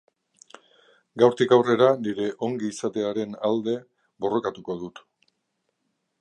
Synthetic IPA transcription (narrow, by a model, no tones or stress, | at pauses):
ɡawɾt̪ikawre̞ɾaniɾe̞ʔo̞ŋɡiːsat̪e̞aɾe̞nald̪e̞ | bo̞ro̞kat̪uko̞ðut̪